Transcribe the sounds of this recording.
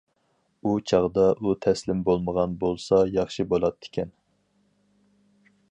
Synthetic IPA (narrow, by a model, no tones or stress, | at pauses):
ut͡ʃʰɑʁd̪ɑʔut̪ʰɛslɪmbolˠməʁɑnbolˠsɑjɑχʃibolˠɑt̪ʰːɪ̥kʲʰɛn